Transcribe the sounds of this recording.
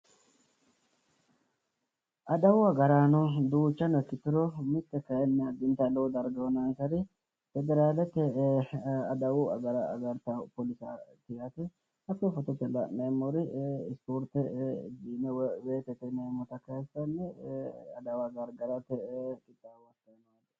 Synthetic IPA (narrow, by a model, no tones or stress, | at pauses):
ʔɐd̪ɐwʊɐɡɐɾaːnɔd̪uːt͡ʃːɐnɛkːɪt̪ːɪɾɔmɪt̪ːɛkɐjɛnːɛɐd̪ɪnt̪ɐlɔwd̪ɐɾɡɐwɔnaːnsɐɾɪ | fɛd̪ɛɾaːlɛt̪ːɛ | ɐd̪ɐwʊɐ̰ɡɐɾɐ̰ːɡɐɾt̪ɐpɔlɪsa̰t̪ɪjɐt̪ɛ | ɐkːɔfɔt̪ɔt̪ːɛlɐʔemɔɾɪɪspoːɾt̪ɛɪd͡ʒiːnɛweːt̪ɛt̪ɛnemːɔt̪ɐkːɐsɐnːɛɐ̰d̪ɐwaɡɐɾɡɐɾɐt̪ɛkʼɪt̪ːawɐt̪ːɐmad̪